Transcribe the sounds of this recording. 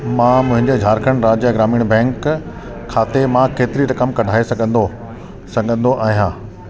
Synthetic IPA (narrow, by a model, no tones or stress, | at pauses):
mãːmʊ̃ɦɪ̃ɲd͡ʑed͡ʑʱaːɾkʰəɽ̃ɾaːd͡ʑjaɡɾaːmiːɽ̃bɛ̃ːŋkʰː | aːt̪emãkeːt̪ɪɾiɾɐkəmkɐɖʱaːesɐɡʱə̃nd̪o | sɐ̃ɠʱə̃nd̪oʔaːɦijãː